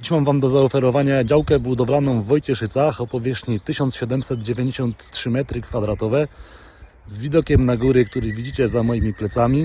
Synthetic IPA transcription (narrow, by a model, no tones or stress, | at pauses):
iɕmamvamd̪ɔzaɔfɛɾɔvaɲad͡ʑawkɛbud̪ɔblanɔ̃w̃vːɔjt͡ɕɛʂɘt̪saxɔpɔvʲjɛʂɲit̪ɘɕɔnt̪sɕɛd̪ɛmsɛd̪d͡ʑevʲjeɲd͡ʑeɕɔnt̪ːʂɘmɛt̪ɾɘkfad̪ɾat̪ɔvɛ | zvʲid̪ɔkʲɛmnaɡuɾɘk̚t̪uɾɘvʲid͡ʑit͡ɕɛzamɔjimʲiplɛt̪samʲi